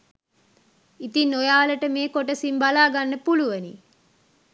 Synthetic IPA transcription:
it̪inːojaːləʈəmeːkoʈəsimbalaːɡanːəpuluʋənḭ

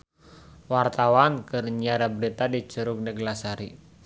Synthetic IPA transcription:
wart̪awankɨrɲiaɾabəɾit̪adit͡ʃuɾuɡ̚nəɡlasaɾi

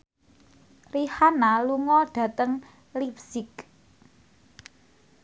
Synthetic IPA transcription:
rihanaluŋɔɖ̥ä̤t̪əŋ | lip̚sɪk

